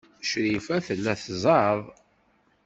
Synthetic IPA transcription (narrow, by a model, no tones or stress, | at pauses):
ʃɾifæθəlːæθzˤɑðˤ